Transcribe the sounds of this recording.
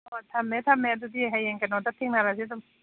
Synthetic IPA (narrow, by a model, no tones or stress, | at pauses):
ɔtʰamːɛt̪ʰamːɛad̪ud̪iɦajɛŋkanɔd̪at̪ʰeŋnaɾasidɔm